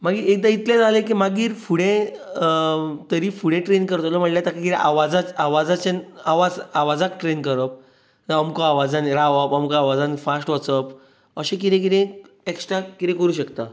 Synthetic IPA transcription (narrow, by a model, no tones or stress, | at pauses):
maɡiɾek̚d̪ait̪ljad͡zalẽkimaɡiːɾfuɽẽ | t̪əɾifuɽẽʈɾenkəɾt̪lɔm̤əʈljat̪akakiɾeʔaʋad͡zat͡saʋad͡zat͡ɕenaʋad͡zaʋad͡zakʈɾenkəɾəp̚ | əəmkaaʋad͡zanɾaʋəpəmkaaʋad͡zanfasʈʋət͡səp | əɕẽk̬it̪ẽk̬iɾẽ | eksʈɾakit̪ẽkəɾuːɕəkt̪a